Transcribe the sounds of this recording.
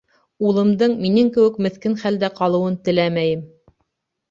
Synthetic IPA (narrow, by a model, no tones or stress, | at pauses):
ulˠɤ̆md̪ɤɴminɘŋkɘ̆wɘkmɘ̆θkɘnχæld̪æqɑlˠɤ̆wɤnt̪ɘ̆læmæjɘm